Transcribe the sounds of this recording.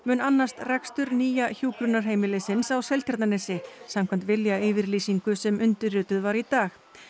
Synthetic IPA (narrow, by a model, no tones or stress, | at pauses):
mʏːnanːast̪rɛkst̪ʏɾniːjaçuːkɾʏnːaɾ̥ɦeːjmɪlɪsɪnsawsɛlcʰɛɾt̪nanɛsɪsam̥kʰɛm̥t̪vɪljaɪvɪɾliːsiŋkʏsɛmʔʏnt̪ʏɾʏːt̪ʏðvaɾit̪aːx